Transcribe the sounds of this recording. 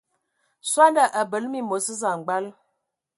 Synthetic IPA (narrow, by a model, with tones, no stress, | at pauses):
swa˦nda˨ʔə˨bə˨lmi˦mo˨˦sə˦za˨ŋ̩˨ɡ͡ba˦l